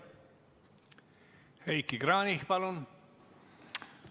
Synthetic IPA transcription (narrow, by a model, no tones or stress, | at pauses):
hejkːikɾɑːnihpɑlon